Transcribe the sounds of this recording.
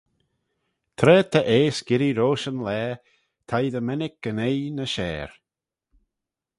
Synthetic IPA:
t̪ʰɾɛːt̪ʰəʔeːsɡ̥ɪɾiɾoːʃənlɛː | t̪ʰajd̪əmɛnɪk̚ɡ̥ənejnəʃɛːɹ

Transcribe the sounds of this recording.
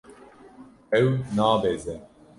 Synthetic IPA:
ɛwnaːbezɛ

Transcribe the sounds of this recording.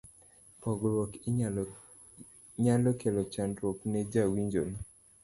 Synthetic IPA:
pɔɡɾwɔk | ɲalɔkelɔt͡ʃandɾɔkned͡ʒawiɲd͡ʒon

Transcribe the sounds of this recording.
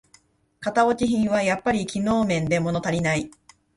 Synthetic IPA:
kat̪ao̞t͡ɕiçĩɰ̃βajapːaɾʲikʲino̞ːmẽ̞nd̪e̞mo̞no̞t̪aɾʲinai

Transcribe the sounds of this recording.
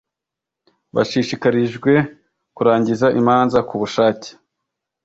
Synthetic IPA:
βa̰ʃiʃikaɾiʒɡwe̞ | kuɾaːɲɟizaʔimaːnzakuβuʃaːce̥

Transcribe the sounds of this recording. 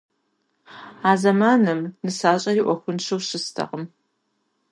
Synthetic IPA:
aːzɐmaːnɨmnɨsaːɕʼɐɪʔʷɔxʷʊnʃɨwɕɪstʰɐ̰ʁəm

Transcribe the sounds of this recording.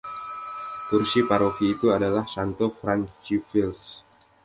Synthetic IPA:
k̪ursipaɾofiːt̪uadalahsant̪ofɾant͡ʃifils

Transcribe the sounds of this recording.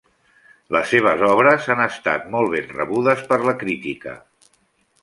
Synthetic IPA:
ləsːeβ̞əzɔβ̞ɾəzanəst̪a̰t̪mɔlˠβ̞enrə̰βuðəspəɾləkɾit̪ikə̰

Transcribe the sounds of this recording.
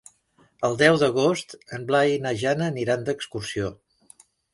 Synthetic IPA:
əlˠd̪ɛwðəɣ̞ost̪əmblainəʒanəniɾand̪əkskursio

